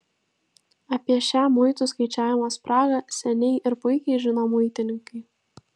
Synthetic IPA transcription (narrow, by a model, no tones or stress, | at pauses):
ɐpʲiɛʃʲæːmʊɪt̪uˑskɐɪt͡ʃʲæːʋʲɪmospɾɑːɡɐsʲɛnʲɛɪʔɪɾpʊɪkʲɛɪʒʲɪnoːmʊɪt̪ʲɪnʲɪŋkɐɪ